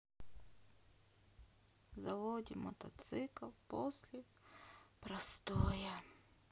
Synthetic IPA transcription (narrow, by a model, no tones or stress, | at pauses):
zɐʋodʲimɔt̪ɐt̪sɪklˠpɔsʲlʲɪ | pɾɐst̪ojɐ